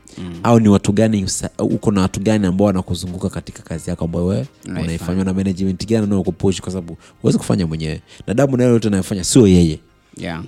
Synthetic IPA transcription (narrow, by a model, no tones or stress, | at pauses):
auniwatuɠanisaṵkɔnawatuɠaniambaɔwanakuzuŋɡukakati̥kḁkazijakɔambajɔwɛɛunaifaɲwanamɛnɛd͡ʒmɛntiɡannanaɔkupuʃi̥kwas̬aɓaɓu | huwɛziku̥fa̰ɲamwɛɲɛwɛnaɗamunaɛlɛjɔtɛnajɔfaɲasiɔjɛjɛ